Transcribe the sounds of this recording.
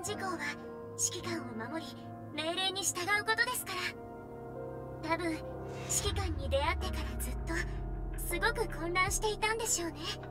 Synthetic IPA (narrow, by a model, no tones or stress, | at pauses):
d͡ʑiko̞ːβa | ɕi̥kʲikãɰ̃o̞mamo̞ɾʲi | me̞ːɾe̞ːɲ̟iɕi̥t̪aɡaɯ̟ko̞t̪o̞d̪e̞sɨ̥kaɾa | t̪abɯ̟̃ɰ | ɕi̥kʲikãɲ̟ːid̪e̞at̪ːe̞kaɾazɨt̪ːo̞sɨɡo̞kɯ̟kõ̞nɾãɰ̃ɕi̥t̪e̞it̪ãnd̪e̞ɕio̞ːne̞